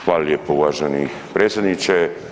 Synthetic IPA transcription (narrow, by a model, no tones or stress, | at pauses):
xʋaːlljepouʋaʒeni | pɾet̪sʲed̪nit͡ʃe